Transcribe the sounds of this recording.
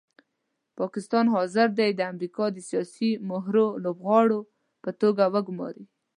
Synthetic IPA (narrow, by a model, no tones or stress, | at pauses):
pɑkɪst̪ɑnɦɑzɪɾd̪ajd̪əamɾikɑd̪əsijɑsimʊɦɾolobɣɑɽo | pət̪oɡawəɡʊmɑ̰ɾi